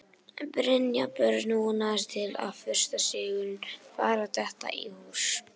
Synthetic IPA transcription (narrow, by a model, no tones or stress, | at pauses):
pɾɪnjapœɾnunaðɪst̪ʰɪla̰ðfʏɾ̥st̪asɪːɣʏnfaːɾat̪ʰɛht̪a̰ʔihus